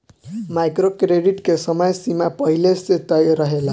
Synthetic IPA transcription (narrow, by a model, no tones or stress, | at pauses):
majkrokreɖiʈkesʌmʌjsimapʌɦileset̪ːʌjɾʌɦela